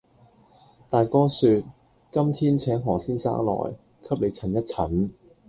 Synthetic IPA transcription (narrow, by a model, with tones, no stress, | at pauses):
t̪aː˨jkɔː˥syː˧t̚ | kɐ˥mt̪ʰiː˥nt͡sʰɛː˨˥ŋɦɔː˨˩siː˥nsa̰ː˥ŋlɔ̰ː˨˩j | kʰɐ˥p̚le˨˧jt͡sʰɐ˨˩njɐ˥t̚t͡sʰɐ˨˥n